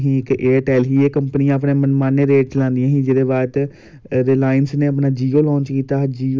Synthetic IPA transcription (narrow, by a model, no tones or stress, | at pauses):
ɦĩːɪkeːʈɛːlɦiːeːkəmpəniãːəp̬neːmənmaːnːeːɾeːʈ̚t͡ʃəlãːnd̪ijãːɦĩːd͡ʒɪd̪eːʋaːɾt̪ | d̪eːlaːɪnsneːəp̬naːd͡ʒiːoːlɔ̃ːɲt͡ʃkiːt̪aːd͡ʒiː